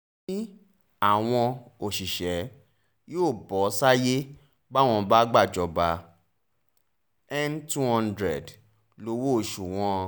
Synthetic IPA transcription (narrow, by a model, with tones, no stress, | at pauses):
i˦ | a˦˨w̃ɔ̃˧o˨ʃi˨ʃɛ˨˦ | joː˦˨bɔ˨˦sa˦je˦ | ba˦w̃ɔ̃˧ba˦ɡ͡ba˦˨d͡ʒɔ˧ba˧ | ɛ˦mtu˦hɔ̃˦ndɾɛ̰˨d | lo˧˦wo˦˨ʃu˨w̃ɔ̃˦˧